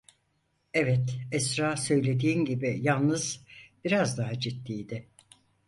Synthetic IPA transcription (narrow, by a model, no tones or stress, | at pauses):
ɛvɛt̪ɛsɾaːsø̞jlʲe̞d̪iːmɟibijalˠnɯz̥b̥iɾazd̪aɦad͡ʒit̪ːiːjd̪ɪ